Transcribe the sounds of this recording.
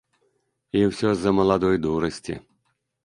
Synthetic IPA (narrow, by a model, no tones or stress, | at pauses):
iwsʲɔzɐmɐlˠad̪ɔjd̪uɾɐsʲtʲḭ